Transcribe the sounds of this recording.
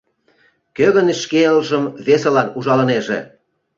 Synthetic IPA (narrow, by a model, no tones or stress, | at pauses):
køɣə̆nʃkeəlʒə̆mβesĕlɑnuʒɑlɤ̆neʒḛ